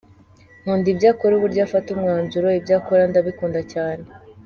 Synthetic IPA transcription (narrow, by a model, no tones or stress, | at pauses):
n̥uːndibɟaːkoɾuβuɾɟaːfatumŋaːnzuɾoibɟaːkoɾandaβikuːndacaːne